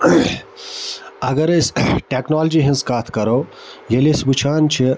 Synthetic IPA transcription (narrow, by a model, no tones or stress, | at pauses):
ɐɡɐɾesʈeknaːld͡ʒiɦĩnskaːt̪ʰkɐɾow | jɐlesbut͡ʃʰaːnt͡ʃʰi